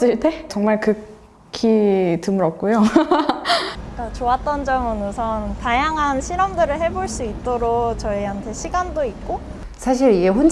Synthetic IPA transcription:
s͈ɯɭt͈ʰe̞t͡ɕʌŋmaɭkɯ | kʰitɯmɯɾʌp̚k͈ujo | k͈at͡ɕoat̚t͈ʌnd͡ʑʌmɯnosʰʌntajaŋɦanɕʰiɾʌmdɯɾɯɭɦe̞boɭs͈uit̚t͈oɾokt͡ɕʌiɦantʰe̞ɕʰiɡandoik̚k͈o | sʰaɕ̬ʰiɾeɦon

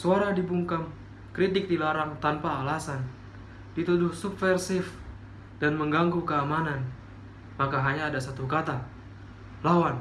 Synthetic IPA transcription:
suaɾadibuŋkam | kɾit̪ɪk̚dilaɾaŋt̪anpaːlasan | dit̪udʊhsubfɛrsɪf | danməŋɡaŋɡukəamanan | makaɦaɲaːdasat̪ukat̪a | lawan

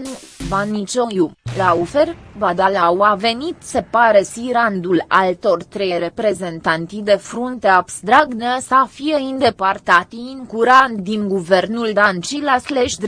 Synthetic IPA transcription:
nuvanit͡ʃojulaufervad̪alawave̞nit̪se̞paɾesiɾand̪ula̰lt̪o̞rʲt̪ɾejɾe̞pɾe̞ze̞nt̪ant̪id̪e̞fɾunt̪eabst̪ɾaɡnəsəfijeind̪e̞part̪at̪iiŋkuɾant̪d̪iŋɡuvernuld̪ant͡ʃilasleʃd̪

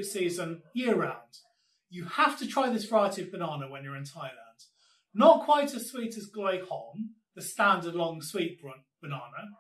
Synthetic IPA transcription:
tsiːzə̃njɪəɹəɹãʊ̃nd̥ | jəhaftətʰɹ̥aɪðɪsvəɹaɪətiəvbənɑːnəwə̃njəɹɪ̃ntʰaɪəlãnd̥ | nəʔkʰw̥aɪtəz̥swiˑtəzɡeɪhɔm | ðəstãndədˡlɒ̃ŋswiˑʔb̥ɹ | b̥ənɑːnə

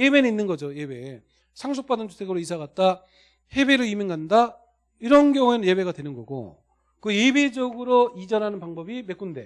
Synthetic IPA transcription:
jebe̞neinːɯnɡʌd͡ʑoje̞be̞ | sʰaŋs̬ʰok̚p͈adɯnt͡ɕʰu̥tʰeɡɯɾoisʰaɣat̚t͈a | he̞be̞ɾɯimiŋɡanda | iɾʌnɡjʌŋue̞nɯnje̞be̞ɡadwe̞nɯnɡʌɡo̰ | kɯje̞be̞d͡ʑʌɡɯɾoid͡ʑʌnɦanɯnpaŋbʌbime̞k͈unde̞

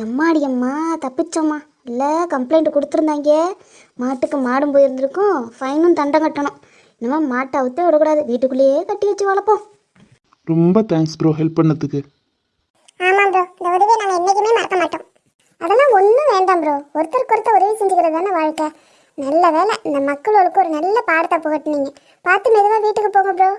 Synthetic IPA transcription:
ɐmːaːɽɪjɐmːaːt̪ɐpːɪt͡ʃːɐmːaː | ɪlːɐkɐmpleɪɳʈɯkɔɽɯt̪ːɯɾɯnd̪aːŋɡe | maːʈːɯkːɯmaːɽɯmpoːjɪɾɯnd̪ɪɾɯkːʊ̃fɐɪnɯt̪ɐɳɖɐ̃ŋkɐʈːɐɳʊ̃ | ɪnːɐmaːmaːʈːɐʋɯt̪ːeɔɽɐkːuɽaːðɯʋiːʈːɯkːɯɭːɪjeːkɐʈːɯʋɐt͡ʃːɯʋaːɭɐpːõː | ɾɔmbɐt̪aːŋksbɾoːɦɛlpːpɐɳːɐt̪ːɯkːɯ | aːmaːpɾoːɪnd̪ɐʋɐɽɯʋeːnaːmːɐɛnːɛk̬ːɯmeːmɐɾɐkːɐmaːʈːõː | ɐðɐlãːɔnːɯ̃ʋeːɳɖãːmpɾoːɔɾɯt̪ːɐɾkʊɾɯt̪ːɐ̃ɔɾɯʋeːsɛɲd͡ʒɯkɪɾɐðɯaːnɐʋaːɻkːɐ | nɐlːɐʋeːlɛɪnd̪ɐmɐkːɯɭoːɭɯkːɯ̃ɔɾɯnɐlːɐpaːɽɐt̪ːapoːɣɐʈːɯniːŋɡɐ | paːɾt̪ɯmɛðɯʋaːʋiːʈːɯkːɯpoːɣɡɐ̃p̬ɪɾoː

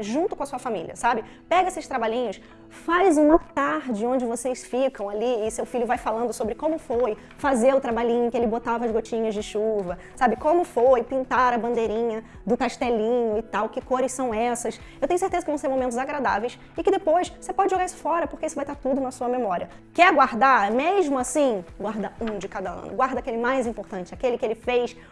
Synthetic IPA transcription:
ʒũnt̪ʊkõɐsuɐfamḭliɐ̰sabɪ | pɛɡɐesɪʃst̪ɾabaʎĩɲʊs | fajzũmɐt̪aɾd͡ʒɪõd͡ʒɪvosejsfikɐ̃w̃aliɪsewfiʎʊvajfalɐ̃nd̪ʊsobɾɪkõmʊfoj | fazeɾʊt̪ɾabaʎĩɲʊkɪelɪbot̪avɐzɡot͡ʃĩɲɐzd͡ʒɪʃuvɐ | sabɪkõmʊfojpĩnt̪aɾɐbɐ̃nd̪ejɾĩɲɐ | d̪ʊkaʃt̪ɛlĩɲʊɪt̪awkɪkoɾɪssɐ̃w̃ɛsɐs | ewt̪ẽɲʊseɾt̪ezɐkɪvɐ̃w̃seɾmomẽnt̪ʊzaɡɾad̪a̰vejs | ɪkɪd̪epojssepɔd͡ʒɪʒoɡaɾisʊ̥fɔɾɐpoχkeisʊvajt̪aɾt̪ud̪ʊnɐsuɐmemɔɾiɐ | kɛɡwaɾd̪aɾmeʒmʊasĩɡwaɾd̪ɐũd͡ʒɪkad̪ɐɐ̰̃nʊ̰ɡwaɾd̪ɐakelɪmajzĩmpoɾt̪ɐ̃nt͡ʃɪakelɪkɪelɪfejs

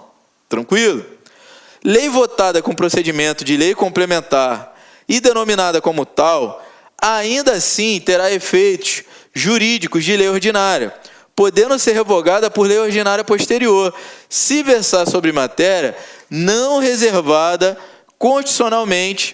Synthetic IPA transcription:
t̪ɾɐ̃kwilʊ | lejvot̪ad̪ɐkõpɾosed͡ʒimẽnt̪ʊd͡ʒɪlejkõmplemẽnt̪aɾ | ɪd̪enõminad̪ɐkõmʊt̪aw | aĩnd̪asĩt̪eɾaefejt̪ʊsʒuɾid͡ʒikʊzd͡ʒɪlejoɾd͡ʒinaɾiɐ̰ | pod̪ẽnd̪ʊseɾɦevoɡad̪ɐpʊɾlejoɾd͡ʒinaɾiɐpoʃt̪eɾioɾsɪveɾsaɾsobɾɪmat̪ɛɾiɐnɐ̃w̃ɦezeɾvad̪ɐ | kõʃt͡ʃi̥sionawmẽnt͡ʃɪ̥

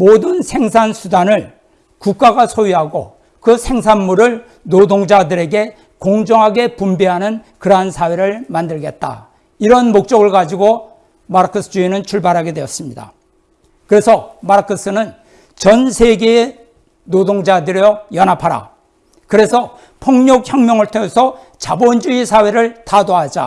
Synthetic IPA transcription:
modɯnsʰe̞ŋsʰansʰudanɯɭ | kuk̚k͈aɡasʰojiɦaɡo | kɯsʰe̞ŋsʰanmuɾɯɭ | nodoŋd͡ʑadɯɾe̞ɡe̞ | koŋd͡ʑʌŋɦaɡe̞pumbiɦanɯnkɯɾɦansʰaweɾɯɭmandɯɭɡe̞t̚t͈a̰ | iɾʌnmok̚t͡ɕ͈ʌɡɯɭkad͡ʑiɡo | maɾkʰos͈ʰɯ̥d͡ʑuinɯnt͡ɕʰuɭbaɾɦaɡe̞dwe̞ʌs͈ɯmɲida̰ | kɯɾe̞sʰʌmaɾkʰɯs͈ɯnɯn | t͡ɕʌnsʰeɡeː | nodoŋd͡ʑadɯɾjʌjʌnɦapʰaɾa̰ | kɯɾe̞sʰʌ | pʰʌŋɲok̚çjʌŋmjʌŋɯɭtʰoŋesʰʌ | t͡ɕabond͡ʑuisʰaweɾɯɭtadoɦad͡ʑa̰

